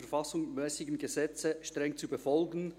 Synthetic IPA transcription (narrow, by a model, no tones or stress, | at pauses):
ɛɐɾfɑsʊŋmɛːsɪɡn̩ɡəzɛt͡səʃtʁ̥ɛŋt͡subəfɔlɡn̩